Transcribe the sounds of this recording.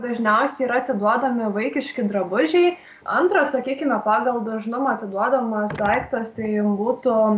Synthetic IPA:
d̪ɐʒʲnʲɛʊsʲɛiːɾɐɐt̪ʲɪd̪uɔd̪ɐmʲɪʋɐɪkʲɪʃʲkʲɪd̪ɾɐbʊʒʲɛɪ | ɐnt̪ɾɐsɐkʲiːkʲɪmʲɛpɑːɡɐlˠd̪ɐʒnʊmɐɐt̪ʲɪd̪uɔd̪ɐmɐsd̪ɐɪkt̪ɐst̪ɐɪbuːt̪ʊ

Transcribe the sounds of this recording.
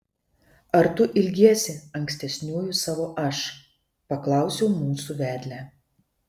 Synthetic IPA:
ɐɾt̪ʊʔɪlʲɡʲiɛsʲɪɐŋʲkʲsʲt̪ʲɛsʲnʲuːjʊsɑːʋoːʔɐʃ | pɐklˠɑˑʊsʲɛʊmuːsuːʋʲæːd̪ʲlʲæː

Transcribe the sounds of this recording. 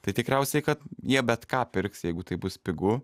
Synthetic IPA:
t̪ɐɪt̪ʲɪkɾʲɛʊsʲɛɪkɐt̪jiɛbʲɛt̪kɑːpʲɪɾksjɛɪɡʊt̪ɐɪbʊspʲɪɡʊ

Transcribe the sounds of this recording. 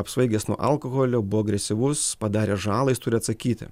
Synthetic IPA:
ɐpsʋɐɪɡʲesnuɔʔɐlˠkoɣoːlʲoːbʊʋoːɐɡɾʲɛsʲɪʋʊspɐd̪ɑːɾʲeːʒɑːlˠɐɪst̪ʊɾʲɪɐt̪sɐkʲiːt̪ʲɪ̰

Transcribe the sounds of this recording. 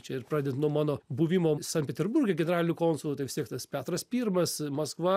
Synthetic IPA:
t͡ʃʲɛɪrpɾɑːd̪ʲent̪nuɔmɑːnoːbuːʋʲimoːsɐntʲpʲɛt̪ʲɛɾbuɾʲɡʲɛɡʲɛnʲɛɾɑːlʲɪnʲʊkoːnsʊlˠːt̪ɐɪʋʲɪsʲt̪ʲiɛkt̪ɐspʲæːt̪ɾɐspʲiːrmɐsmɐskʋɐ

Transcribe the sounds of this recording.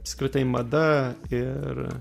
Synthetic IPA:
pskɾʲɪt̪ɐɪmɐd̪ɐɪɾ

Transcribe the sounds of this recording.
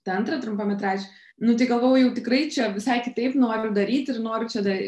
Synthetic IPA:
t̪ɐɐnt̪ɾɐt̪ɾʊmpɐmʲɛt̪ɾɑːd͡ʒʲɪ | nʊt̪ɐɪɡɐlˠʋoːjʊjɛʊt̪ʲɪkrɐɪt͡ʃʲɛʋʲɪsɐɪkʲɪt̪ɐɪpnoːɾʲʊd̪ɐɾʲiːt̪ʲɪrnoːɾʲʊt͡ʃʲɛd̪ɐ

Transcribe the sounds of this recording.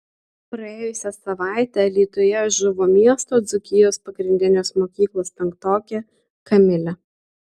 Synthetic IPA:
pɾɐeːjʊsʲɛsɐʋɑˑɪt̪ʲælʲiːt̪ʊjɛʒʲʊʋoːmʲiɛst̪oːd̪zʊkʲɪjoːspɐɡɾʲɪnʲd̪ʲɪnʲeːsmoːkʲiːklˠoːst̪ʲɛŋk̚t̪oːkʲe | kɐmʲɪlʲɛ

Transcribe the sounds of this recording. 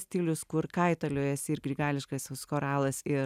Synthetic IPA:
sʲt̪ʲiːlʲʊskʊɾkɐɪt̪ɐlʲoːjɛsɪɾɡɾʲiːɡɑːlʲɪʃkɐsskoːɾɑːlˠɐsɪ

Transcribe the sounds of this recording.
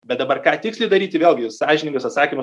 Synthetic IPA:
bʲɛt̪̚d̪ɐbɐrkɑːt̪ʲɪkslʲɛɪd̪ɐɾʲiːt̪ʲɪʋʲeːlʲˠɡʲɪsɑːʒʲɪnʲɪŋɡʊsɐt̪sɑːkʲiːmʊ

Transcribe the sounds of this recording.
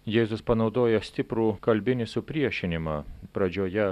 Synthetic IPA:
jeːzʊspɐnɒʊd̪oːjɛsʲt̪ʲɪpɾuːkɐlʲbʲɪnʲɪsʊpʲɾʲiɛʃʲɪnʲɪmɐpɾɐd͡ʒʲoːjɛ

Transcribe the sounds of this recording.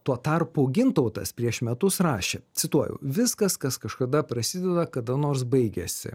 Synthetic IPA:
t̪uɔt̪ɐrpʊɡʲɪnt̪ɐʊt̪ɐ̰spʲɾʲiɛʃmʲɛt̪ʊsrɑːʃʲet̪sʲɪt̪uɔjɛ̰ʊʋʲɪskɐskɐskɐʃkɐd̪ɐpɾɐsʲɪd̪ʲɛd̪ɐkɐd̪ɐnoːɾs̬bɐɪɡʲɛsʲɪ̰

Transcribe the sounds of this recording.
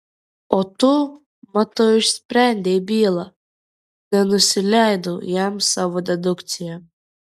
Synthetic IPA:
ɔt̪u | mat̪ɔɪʃsʲpʲɾʲænʲd̪ʲɛbʲiːlˠa | nʲɛnʊsʲɪlʲæjd̪ujæmsaʋɔd̪ʲɛd̪ʊkt̪sʲɪjɛ

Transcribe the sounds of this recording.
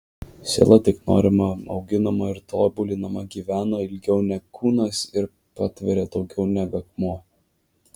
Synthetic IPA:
sʲḛːlˠɐt̪ʲɪkno̰ːɾʲɪmɐɒ̰ʊɡʲɪnɐmɐɪɾt̪oːbʊlʲɪnɐmɐɡʲiːʋʲæːnoːɪlʲɡʲɛʊnʲɛkʰuːnɐsɪɾ | pɑːt̪ʲʋʲɛɾʲeːd̪ɒʊɡʲɛʊnʲɛɡɐkmoː

